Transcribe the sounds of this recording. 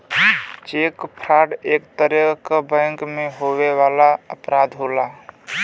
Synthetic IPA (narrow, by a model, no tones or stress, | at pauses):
t͡ʃekpʰɾaɖekt̪əɾəkəbə̃ŋkmeɦoweʋalaəpɾad̪ʱɦola